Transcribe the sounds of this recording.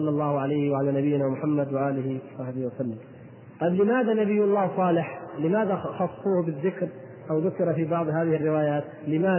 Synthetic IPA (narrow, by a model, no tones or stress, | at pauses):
ɑlːɑlˤːɑːhʊʕalajhwaʕalaːnabɪjːɪnaːmʊħamːad̪waʔaːlɪhɪwɑsˤɑħbɪhwasalːɪm | t̪ˤɑblɪmaːðanabɪjːʊlˤːɑːhsˤɑːlɪħlɪmaːðaxɑsˤːuːhbɪðːɪkɾ | ʔawðʊkɪɾafibɑʕd̪ˤhaːðɪhɪrːɪwaːjaːt̪lɪmaː